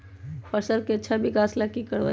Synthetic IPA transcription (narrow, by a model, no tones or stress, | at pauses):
pʰəɾsəɾkeətːʃʰabʱikaːslakikəɾʋa̰